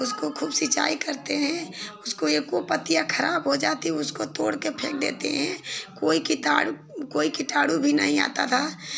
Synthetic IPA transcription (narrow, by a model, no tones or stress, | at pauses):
ʊskokʰuːbsɪt͡ʃa̰ːikɐɾt̪eɦɛ̃ʊskojekopət̪ijakʰɐɾaːbɦod͡ʒaːt̪iɦɛʊskot̪oːɽkepʰḛːk̚d̪ḛːt̪ḛɦɛ̰̃koːikiʈa̰ːɽ | koːikiʈaːɽubʱinɐ̰ɦĩa̰ːt̪a̰t̪ʰaː